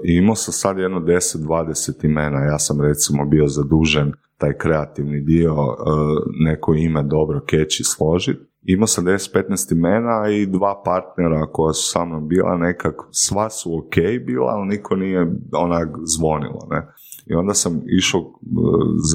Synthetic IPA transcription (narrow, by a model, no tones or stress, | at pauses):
iimosamsad̪jed̪nod̪e̞set̪̚d̪ʋaːd̪eset̪imeːnajaːsamɾe̞t̪simo̞bio̞zad̪uːʒen | t̪aːjkɾe̞at̪iʋnid̪io̞ | ne̞kʰoime̞d̪o̞bɾoket͡ɕislo̞ʒit̪̚ | imosamd̪eset̪̚pe̞t̪nɛjst̪ime̞ːnaid̪ʋaːpaɾt̪neɾako̞jasu̥saːmnombiːlʔa̰nekaksʋasuokejbiːlˠa̰ːlnikʰonijeonakzʋo̞nḭlˠo̰nḛ | ḭo̞nd̪asamiʃo | z